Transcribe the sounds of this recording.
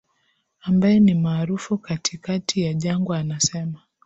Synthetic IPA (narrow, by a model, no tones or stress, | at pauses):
ambajɛnimaːɾufukatʰikatʰijaʄaŋɡɔanasɛma